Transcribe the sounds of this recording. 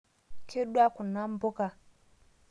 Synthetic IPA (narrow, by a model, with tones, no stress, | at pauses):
kʰe˦ɗwa˦ku˨na˦mbo˦ka˦